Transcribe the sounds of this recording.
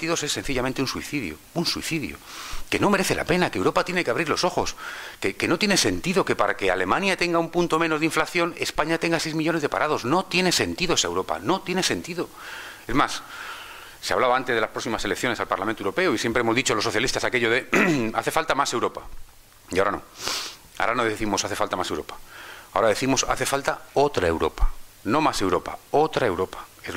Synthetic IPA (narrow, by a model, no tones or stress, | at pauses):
t̪iðo̞sesːe̞n̟θiʎamẽnt̪eunsuḭθiðjo̰unsuḭθiðjo̰ke̞no̞me̞ɾe̞θe̞lʔa̰pe̞nakewɾo̞pat̪je̞ne̞keaβɾiɾlo̞so̞xo̞skekeno̞t̪jenese̞nt̪iðo̞ke̞paɾake̞a̰le̞mãnjat̪e̞ŋɡaumpunt̪o̞meno̞zðiɱflaθjo̞ne̞spaɲat̪e̞ŋɡasejzmiʝo̞ne̞zðepaɾʔaðo̞zno̞t̪jene̞se̞nt̪iðoesaewɾo̞pa̰no̞t̪je̞ne̞se̞nt̪iðo̞ | e̞zmas | seaβlaβaant̪eðelaspɾo̞simase̞lekθjo̞ne̞salpaɾlamẽnt̪euɾo̞pe̞oisje̞mpɾeemozðit͡ʃolo̞sːo̞θjalist̪asake̞ʎoð̞e̞a̰θe̞falt̪amase̞wɾo̞pa | iaoɾano̞̰ | a̰oɾanoðeeθimo̞saθe̞falt̪amasewɾo̞̰pḁaoɾaðe̞θimo̞sa̰θe̞falt̪ao̞t̪ɾaewɾo̞̰pa | nõ̞mase̞wɾo̞pa̰o̞t̪ɾae̞wɾo̞pḁḛ